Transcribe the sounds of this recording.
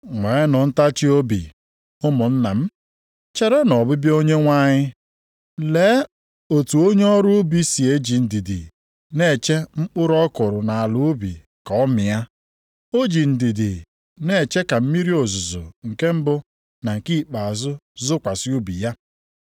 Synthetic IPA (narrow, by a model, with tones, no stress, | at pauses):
ŋʷe˨˦nʊ˨n̩˦ta˦t͡ʃi˦o˦bi˨ | ʊ˦mʊ˨n̩˦na˨m̩˦ | t͡ʃe˦ɾe˦nɔ˨bʊ˦bi˦o˦ɲe˦ŋʷa˦ɲɪ˦ | le˨˦ | o˨tu˨o˦ɲe˦ɔ˦ɾʊ˦ʊ˦bi˦si˨e˦d͡ʒi˨n̩˨di˨dḭ˨ | ne˦˨t͡ʃe˦m̩˦k͡pʊ˦ɾɔ˦kʊ˨ɾʊ˨na˨a˨lʊ˨˦ʊ˦bḭ˨ | ka˨ɔ˦mɪ˨ja˦ | o˦d͡ʒi˨n̩˨di˨di˨ | ne˦˨t͡ʃe˦ka˨m̩˦mi˦ɾi˦o˨zʊ˨zʊ̰˨ŋ̩˨ke˦m̩˦bʊ˦ | na˨ŋ̩˨ki˦˨k͡pa˨a˨zʊ˦zʊ˦kʷa˨sɪ˦u˦bi˨ja˦